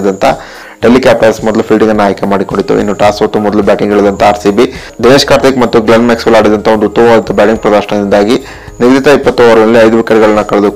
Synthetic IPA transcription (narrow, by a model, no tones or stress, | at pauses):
d̪ɐnt̪ʰɐ | ʈelːikjaːp̚ʈɐsmɔd̪ɐlupʰilɖiŋɡɐnːaːjkemaːɽikoɳɖit̪ːṵḭnːuʈaːsot̪ːumɔd̪ɐlubjaːʈiŋɡɛɭɐd̪ɐnt̪ʰɐaːɾsibi | d̪ineːʂkaːɾt̪ikmɐt̪ːuɡlɐnmeksʋɐlaːɽid̪ɐnt̪ʰɐo̞nd̪ut̪ːɐmɐʋaːd̪ɐnt̪ːubʲjaːʈiŋɡpɾɐd̪aːʃɐɳɐd̪ind̪aːɡi | niɡɾit̪ɐipːɐt̪ːɔʋɐɾɐlɐlːiɐjd̪uʋikɐɾɡɐɭɐnːɐkɐɭɐd̪u